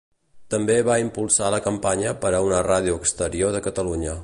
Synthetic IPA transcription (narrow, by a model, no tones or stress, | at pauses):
t̪əmbeβaimpulˠsaləkəmpaɲəpəɾəunərað̞iuəkst̪əɾioðəkət̪əluɲə